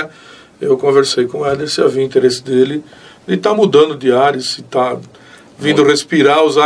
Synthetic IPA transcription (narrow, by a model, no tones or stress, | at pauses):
ewkõveɾsejkõɛd̪eɾsɪavĩĩt̪eɾesɪ̥d̪elɪd̪ɪt̪amud̪ɐ̃nd̪ʊd̪iaɾʊsɪt̪a | vĩd̪ʊhespiɾaʊza